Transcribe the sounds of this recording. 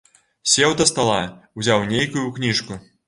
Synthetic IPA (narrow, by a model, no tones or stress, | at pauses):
sʲɛwt̪ɐst̪alˠauzʲawnʲejkujuknʲiʂku